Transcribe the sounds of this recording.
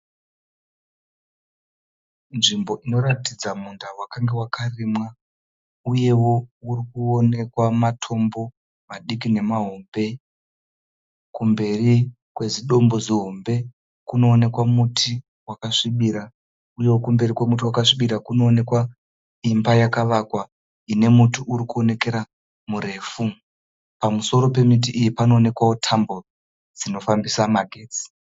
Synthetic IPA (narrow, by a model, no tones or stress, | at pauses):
nʐimbo̞ʔino̞ɾatid͡zamundawakaŋɡe̞wakʰarimwa | uje̞wo̞urikuone̞kwamatʰo̞mbo̞ | maɗikine̞maɦombe̞ | kumbe̞ri | kwe̞ziɗo̞mbo̞ziɦo̞mbe̞ | kuno̞ːne̞kwamutʰi | wakaʂiɓiɾa | ujo̞kumbe̞rikwemutiwakaʂiɓiɾakuno̞ːne̞kwa | imbajakaʋakwa | ine̞mutuʔuɾikuo̞ne̞ke̞ɾa | muɾe̞ːfu | pamuso̞ɾo̞pe̞mit̬iʔijipano̞ːne̞kwawo̞tʰambo̞ | d͡zino̞fambisamaɡʱeːt͡si̥